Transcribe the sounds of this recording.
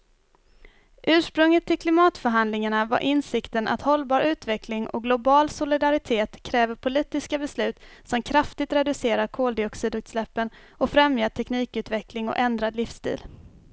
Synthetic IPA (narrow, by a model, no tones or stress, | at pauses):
ʔʉ̟ːʂpɾɵŋːət̪ʰːɪlkʰlɪmɑːt̪fœɾɦand̪lɪŋaɳava̰ɾʔɪnsɪkt̪ənʔa̰t̪hɔlbɑːɾʔʉ̟ːt̪vɛkʰlɪŋʔɔ̰ɡlʊbɑːlsʊlɪd̪aɾɪt̪ʰeːt̪kʰɾɛːvəɾpʰʊliːt̪ɪskabɛslʉ̟ːt̪sɔmkʰɾaft̪ɪt̪ɾɛd̪ɵseːɾaɾkʰoːld̪ɪɔksɪd̪ʉ̟t̪slɛpːən | ɔfɾɛmjaʈʰɛkniːkʉ̟ːt̪vɛklɪŋɔ̰ʔɛnd̪ɾad̪lɪfst̪ḭːl